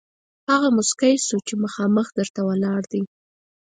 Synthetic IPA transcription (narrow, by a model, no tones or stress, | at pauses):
haɣamʊskajsut͡ʃeməxɑməxd̪əɾt̪awəlɑɽd̪i